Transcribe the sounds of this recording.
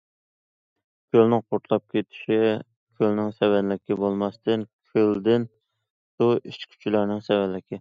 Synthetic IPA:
kʲʰølnɪŋqʰoɾt̪ʰlˠɑp̚kʲet̪ʰɪ̥ʃi | kʲʰølnɪŋsɛvɛnlɪkʲɪbolˠmɑst̪ʰɨnkʲʰøld̪ɪn | suit͡ʃkʲʰy̥t͡ʃʰilɑɾnɪŋsɛvɛnlɪkʲʰɪ

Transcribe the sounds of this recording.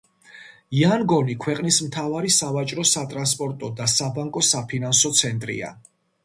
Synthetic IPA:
ianɡɔnikʰwɛqʼnismt̪ʰavaɾisavat͡ʃʼɾɔsat̪ʼɾanspʼɔɾt̪ʼɔd̪asabaŋkʼɔsapʰinansɔt̪sʰɛnt̪ʼɾḭa̰

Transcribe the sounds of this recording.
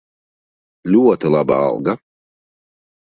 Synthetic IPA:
lʲuɔt̪ɨlˠaba̰a̰lˠɡa

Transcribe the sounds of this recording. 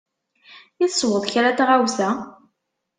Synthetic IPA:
jəθəswəðˤçɾat̪aʁawθæ

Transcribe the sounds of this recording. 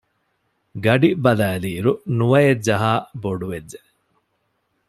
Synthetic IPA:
ɡɐɖibɐlæːliːɾunuʋɐjedd͡ʒɐɦaːboɖuʋedːe

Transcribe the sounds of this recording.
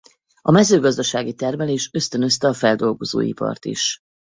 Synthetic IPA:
ɒmɛzøːɡɒzd̪ɒʃaːɡit̪ɛrmɛleːʃø̞st̪ø̞nø̞st̪ɛɒfɛld̪o̞lɡo̞zo̰ːḭpɒ̰rt̪ḭʃ

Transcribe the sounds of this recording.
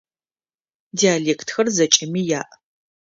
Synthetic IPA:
diaːleːkʰtʰxɐrzɐt͡ʃʼɪmiːjaːʔ

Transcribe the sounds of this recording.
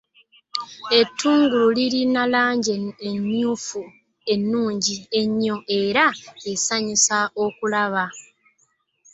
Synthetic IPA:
e̞tʰːuːŋɡululiɾinalaːɲɟeːɲːuːfu | e̞nːuːɲɟie̞ɲːo̞ʔe̞ɾaesaɲisao̞kulaβa

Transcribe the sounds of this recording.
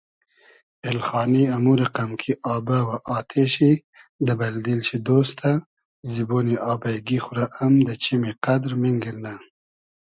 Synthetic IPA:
elxɑːniamuɾaqamkʰiʔɑːbawaʔɑːt̪ʰeɕi | d̪əbɐld̪ilʃid̪oːst̪ʰa | ziboniʔɑːbajɡixʊɾaʔamd̪ət͡ʃimiqad̪ɾmiŋɡiɾna

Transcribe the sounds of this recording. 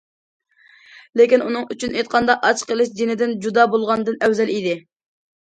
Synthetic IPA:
lekʲinunɨŋyt͡ʃʰynejt̪̚qʰɑnd̪ɑʔɑt͡ʃʰqəlˠɨʃd͡ʒenɪd̪ɪnd͡ʒud̪ɑbolˠʁɑnɨd̪ɨnɛwzɛlid̪ɪ

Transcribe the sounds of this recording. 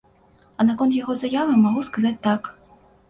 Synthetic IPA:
ɐnakɔnt̪̬jaɣɔzajavɨmaɣuskazat͡sʲt̪ak

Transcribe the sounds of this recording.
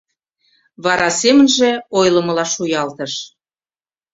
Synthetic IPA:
βɑɾɑsemə̆nʒĕojlə̆məlɑʃujɑlt̪ə̆ʃ

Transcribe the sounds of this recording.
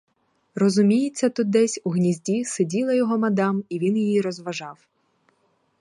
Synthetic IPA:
rɔzʊmʲijɪt͡sʲːɐt̪ʊd̪̚d̪ɛsʲuɦnʲizʲdʲisedʲilˠɐjɔɦɔmɐd̪ɑmiʋʲinjijiɾɔzʋɐʒɑw

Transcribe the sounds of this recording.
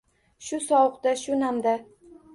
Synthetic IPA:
ʃʊsɒwʊqd̪aʃʊnamd̪a

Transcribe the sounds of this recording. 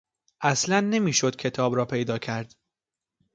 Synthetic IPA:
ʔæslænːe̞miːʃo̞d̪̥̚cʰe̞t̪ʰɒːbɾɒːpʰe̞jd̪ɒːcʰæɾd̪̥

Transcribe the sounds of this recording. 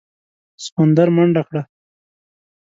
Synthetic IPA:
skond̪aɾmaɳɖakɽa

